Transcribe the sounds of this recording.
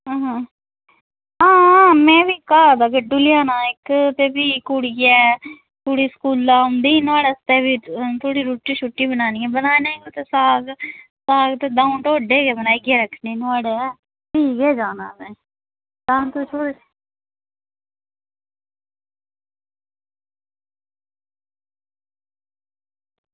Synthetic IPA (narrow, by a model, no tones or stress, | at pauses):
ɦãːɦãː | ãːmɛ̃ːʋiːkaːd̪aːkeɖulɪjaːnaːɪkt̪eːbiːkuɽiɡɛː | t̪ʰoːɽiːskuːlːaːʊ̃nd̪iːnaːɽeːst̪eːbiːt̪ʰoːɽiːɾuːʈːiːʃuːʈːiːbənaːniːɛ̃ːbənaːnẽːɡoːt̪eːsaːɡ | saːɡt̪eːd̪aːʊnʈoːɖeːɡɛːbənaːiɡɛːɾəkʰːneːnʊaːɽeːɛː | piːɡɛːd͡ʒaːna̰ːnɛ̃ː | d̪aːnt̪ut͡ʃʰoːɽe